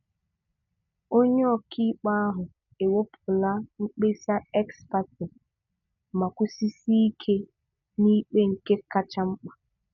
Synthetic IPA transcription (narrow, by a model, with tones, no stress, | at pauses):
o˦ɲe˦ɔ˨kʰi˦k͡pa˦a˦ɦʊ˨ | e˨wo˦pʰʊ˨la˦ŋ͡m̩˦k͡pe˦sa˦ɛ˦kspa˦tɪ˨ | ma˨kʷu˦si˦si˦i˦kʰe˦ | ni˦k͡pe˦ŋ̩˨ke˦ka˦t͡ʃa˦ŋ͡m̩˦k͡pa˨